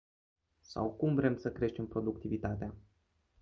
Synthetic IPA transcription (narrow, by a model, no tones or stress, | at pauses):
sa̰wkumvɾe̞msəkɾe̞ʃt̪e̞mpɾo̞d̪ukt̪ivit̪at̪ea